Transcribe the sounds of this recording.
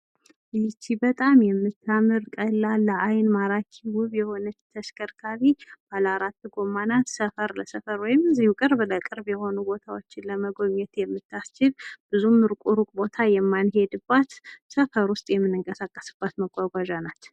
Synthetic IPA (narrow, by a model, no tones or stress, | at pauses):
ɨt͡ʃːibət̪ʼamjɛmːɨt̪ʰːamɨɾkʼəlːalːəʔajnmaɾakʰiwʊβjɛho̞nɨt͡ʃt̪ʰːəʃkʰəɾkʰaβib̥alaɾat̪ːɡo̞manat̪səfəɾləsəfəɾwɔjɪmzihukʼɨɾbləkʼɨɾbjɛho̞nubo̞t̪ʰawot͡ʃːɪnləməɡo̞ɲːɛt̪jɛmːɨt̪ʰːast͡ʃːɪlb̥ɨzumɨɾkʼuɾukʼbo̞t̪ʰajɛmːanhe̞d̪ɨbːat̪səfəɾwʊst̪ʼjɛmːɨnːɨŋkʼəsakʼːə̥sɨb̥ːat̪məɡʷʼaɡʷaʒanat̪